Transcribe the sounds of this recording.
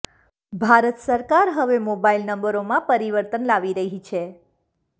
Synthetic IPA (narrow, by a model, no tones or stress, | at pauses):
bʱaɾət̪səɾkaɾɦəʋemobailnəmbəɾomãpəɾiʋəɾt̪ənlaʋiɾəɦit͡ʃʰe